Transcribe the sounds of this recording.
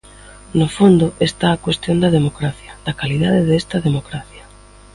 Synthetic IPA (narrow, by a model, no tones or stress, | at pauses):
nʊfond̪ʊʔest̪aːkwest̪jond̪ɐðemokɾaθjɐd̪̥ɐkaliðaðɪðest̪ɐðemokɾaθjɐ